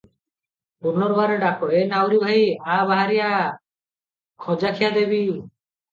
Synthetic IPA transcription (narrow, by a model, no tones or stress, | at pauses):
puɾnɔɾbaɾeɖakɔɽenawɾibʱaiabaɦaɾija | kʰɔd͡ʒakʰijad̪ebi